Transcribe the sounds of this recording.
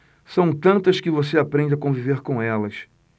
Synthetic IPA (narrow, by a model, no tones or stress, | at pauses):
sɐ̃w̃t̪ɐ̃nt̪ɐskɪvoseapɾẽnd͡ʒakõviveɾkõɛlɐs